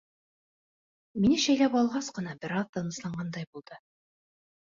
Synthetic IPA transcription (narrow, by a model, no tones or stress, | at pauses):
minɘʃæjlæpɑlˠʁɑsqɤ̆nɑbɘ̆ɾɑðt̪ɑnɤ̆slˠɑɴɢɑnd̪ɑjbulˠd̪ɤ